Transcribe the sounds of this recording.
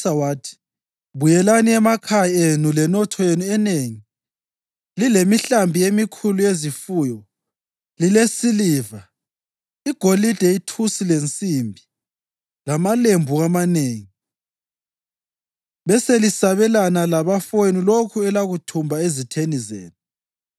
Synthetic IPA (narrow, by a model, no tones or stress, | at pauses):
sawaːtʰi̥ | βujɛlaniɛmakʰajenulɛnɔtʰɔjenuɛneŋi | lilemiɬambʱijemikʰulujezifuːjɔ | lilesiliva | iɡ̥ʱolid̥ʱeitʰusilent͡sʼimbʱi | lamalembʱuamaneːŋi | βɛselisaβɛlanalaβafenilokʰuɛlaɣutʰumbʱaezitʰenizḛːnu